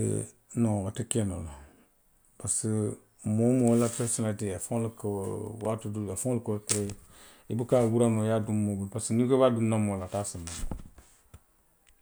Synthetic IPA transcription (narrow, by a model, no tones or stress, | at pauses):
noatəkɛno̰la | pasɨ | momolatəsinadeafoŋlkwatuduafɔ̃lkokɾe | ibɨkawuɾanojadummːobulpasɨnikebadunãmolatasinːano